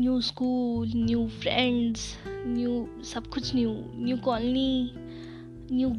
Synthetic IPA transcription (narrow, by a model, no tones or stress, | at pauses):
njuːskuːlnjuːpʰɾeɳɖznju | sɐb̚kʊt͡ʃʰnjunjuːkɔlni | njuː